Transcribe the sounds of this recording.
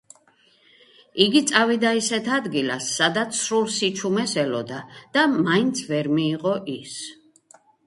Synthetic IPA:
iɡit̪sʼavid̪aisɛt̪ʰad̪ɡilasːad̪at̪sʰɾulˠsit͡ʃʰumɛsɛlɔd̪ad̪̥amaint̪sʰvɛɾmiːqʼɔʔis

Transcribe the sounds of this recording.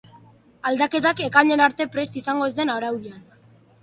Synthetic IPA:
ald̪ake̞t̪ake̞kaɲe̞naɾt̪e̞pɾe̞st̪isaŋɡo̞ezd̪e̞naɾawðian

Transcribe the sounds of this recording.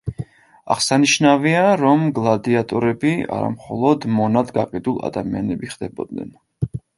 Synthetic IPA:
a̰ʁsaniʃnaviaɾɔmɡlˠad̪iat̪ʼɔɾɛbia̰ɾa̰mχɔlˠɔd̪mɔnad̪ɡaqʼid̪ulˠa̰d̪amianɛbiχd̪ɛbɔd̪̚nɛ̰n

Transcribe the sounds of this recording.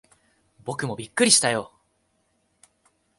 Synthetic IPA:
bo̞kɯ̟mo̞bʲikːɯ̟ɾʲiɕi̥t̪ajo̞

